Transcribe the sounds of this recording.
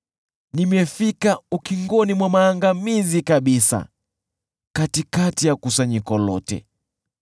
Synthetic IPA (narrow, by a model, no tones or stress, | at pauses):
nimɛfikaukiŋɡɔnimwamaːŋɡamizikaɓisa̰ | katikatijakusaɲikɔlɔtɛ̰